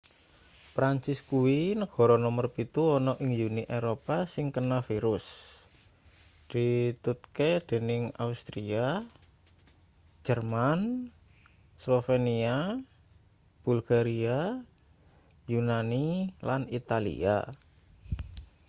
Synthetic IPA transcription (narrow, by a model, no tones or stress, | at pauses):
pɾaɲt͡ʃɪskuwinəɡ̥ɔ̤ɾɔnɔmərpit̪uɔnɔʔɪŋjuniʔeɾopasɪŋkənafiɾʊs | d̪̥i̤t̪ut̪̚ked̪̥e̤nɪŋa̰ust̪ɾia | d͡ʒ̥ərman | slofenia | b̥ṳlɡaɾia | junanilanit̪alḭa̰